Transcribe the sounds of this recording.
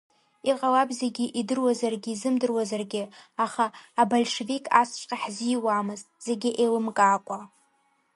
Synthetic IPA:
iqʼalabzeɡʲɪʔidɨrwazarɡʲiːzɨmdɨrwazarɡʲɪaχaːbalʂevikʼʰa̰st͡ʃʷʼqʲʼaħzijwamɨztʼz̥e̞ɡʲɪʔejlɨmkʼaːkʷʼa

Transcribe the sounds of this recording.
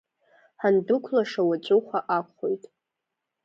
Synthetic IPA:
ħandʊkʷʰlaʂawat͡ʃʷʼʊχʷaʔakʷʰχojtʼ

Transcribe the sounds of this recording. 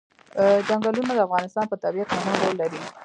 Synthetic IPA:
d͡ʒaŋɡɑlunad̪əafɣɑnɪst̪ɑnpət̪abijat̪manəɾolːaɾi

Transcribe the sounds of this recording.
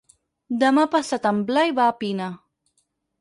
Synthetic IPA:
d̪amapasat̪amblajbaːpina

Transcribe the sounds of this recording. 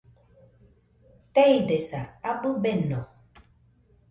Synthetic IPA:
tɛidɛsaabubɛnɔ̃

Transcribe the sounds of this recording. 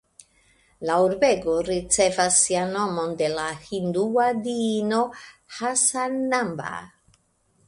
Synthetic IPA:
lauɾbeɡoɾit͡sevasːiano̞mond̪e̞lahind̪uad̪iinohasanːamba̰

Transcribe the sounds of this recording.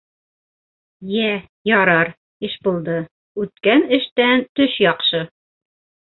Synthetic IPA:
jæ | jɒɾɑɾ | ɘʃbulˠd̪ɤ | ʉt̪̚kænɘ̆ʃt̪ænt̪ɵʃjɒqʃɤ

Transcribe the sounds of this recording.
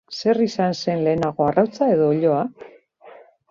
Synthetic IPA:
se̞risanse̞nle̞ːnaɣ̞o̞arawt͡sae̞ðo̞ːʎo̞a

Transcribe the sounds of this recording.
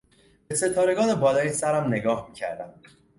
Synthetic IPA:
b̥ese̞t̪ʰɒːɾe̞ɡɒːne̞bɒːlɒːjisæɾæmne̞ɡɒːhmiːcʰæ̰ɾd̪æm

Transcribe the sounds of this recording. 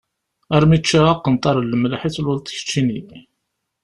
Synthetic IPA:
æɾˤmit͡ʃːaaqːənt̪ˤːɑɾˤlːəmlaħit͡sːlwʊlt̪ˤçə̥t͡ʃːini

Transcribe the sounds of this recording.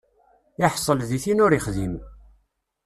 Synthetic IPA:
ɪħsˤəlðiθinʊɾiχðim

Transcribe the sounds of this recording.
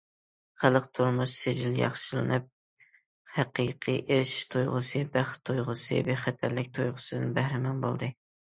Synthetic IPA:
χælˠəqt̪ʰuɾmuʃsed͡ʒiljɑ̰χʃɨlˠɨ̰nɨp̚ | hæqʰiqʰḭʔeɾɪʃi̥ʃt̪ʰujʁʊsɨbæχt̪ʰujʁʊsɨ̰beχæt̪ʰæɾlɪk̚ʲt̪ʰojʁʊsɨd̪ɨnbæhɾɪmɑnbo̰lˠd̪ɨ

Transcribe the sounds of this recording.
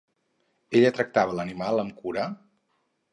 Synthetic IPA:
eʎət̪ɾək̚t̪aβələnimalˠəmkuɾə

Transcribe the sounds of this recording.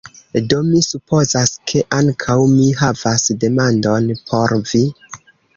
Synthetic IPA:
do̞misupʰo̞zaskʰe̞ʔaŋkʰawmiɦavasde̞mando̞npʰo̞ɾvi

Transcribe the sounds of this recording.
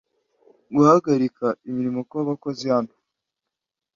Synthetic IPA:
ɡuhaɡaɾikaimiɾimo̞kwaβako̞zihantu̥

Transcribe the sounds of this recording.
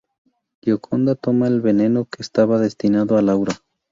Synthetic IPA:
ʎokʰo̞nd̪at̪o̞maelβe̞ne̞no̞ke̞ːst̪aβaðe̞st̪inaðoalawɾa

